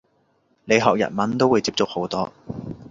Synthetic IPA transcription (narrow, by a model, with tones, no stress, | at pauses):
le˨˧jɦɔː˨k̚jɐ̰˨t̚mɐ˨˥nt̪o˥wuː˨˧jt͡siː˧p̚t͡sʊ˥k̚ho˨˥wt̪ɔː˥